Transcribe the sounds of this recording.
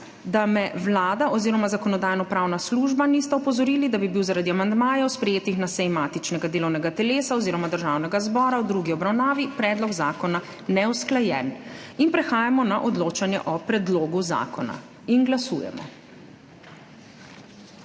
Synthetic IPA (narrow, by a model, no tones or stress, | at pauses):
d̪amɛwlaːd̪aʔɔziːɾɔmazakɔnɔd̪aːjnɔpɾaːwnasluʒbanist̪aɔpɔzɔɾiːlid̪abibiwzaɾad̪iamand̪maːjɔwspɾɛjeːt̪ixnasɛjmaːt̪it͡ʃnɛɡad̪eːlɔwnɛɡat̪ɛleːsaɔziːɾɔmad̪əɾʒawnɛɡazbɔːɾawd̪ɾuɡiɔbɾawnaːʋipɾɛːd̪lɔɡzaːkɔna | nɛwsklajɛ̰ninpɾɛxaːjamɔnaʔɔd̪loːt͡ʃanjɛʔɔpɾɛd̪loːɡuza̰ːkɔna̰ | inɡlasṵːjɛ̰mɔ̰